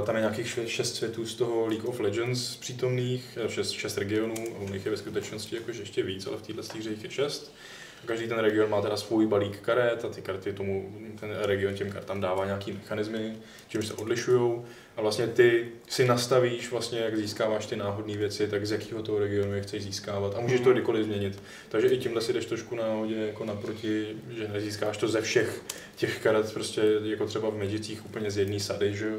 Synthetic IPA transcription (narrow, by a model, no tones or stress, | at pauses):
t̪amjɛɲaːkiːxʃɛst̪svjɛt̪uːst̪oɦo̞liːkoflɛd͡ʒɛnspr̥iːt̪o̞mniːxʃɛst̪ʃɛst̪ɾɛɡɪo̞nuːaunɪxjɛvɛskut̪ɛt͡ʃnoscɪjakoʒɛjɛʃcɛviːt͡sa̰lɛft̪iːdlɛst̪iːrɛɪxjɛʃɛst̪ | akaʒdiːt̪ɛnɾɛɡɪo̞nmaːt̪ɛdasvujbaliːkːaɾɛt̪at̪ɪkaɾt̪ɪt̪omut̪ɛnɾɛɡɪo̞ncɛmkaɾt̪aːmdaːvaːɲaːkiːmɛxanɪzmɪ | t͡ʃɪmʃsɛ̰ʔo̞dlɪʃujow | ʔavlastɲɛt̪ɪ | sɪnast̪aviːʃvlast̪ɲɛjaɡziːskaːvaːʃt̪ɪnaːɦo̞dniːvjɛt͡sɪt̪aɡzjakiːɦo̞t̪oɦoɾɛɡɪo̞nujɛxt͡sɛjziːskaːvat̪ʔamuːʒɛʃt̪oɡdɪko̞lɪzmɲɛɲɪt̪ | t̪aɡʒɛʔɪcɪmɦlɛsɪdɛʃt̪ɾoʃkunaːɦo̞ɟɛjako̞napɾo̞cɪʒɛnɛziːskaːʃt̪o̞zɛfʃɛx | cɛxkaɾɛt̪pɾo̞scɛjako̞t̪r̝̥ɛbavmɛd͡ʒɪt͡siːxʔupl̩ɲɛzjɛdniːsadɪʒɛo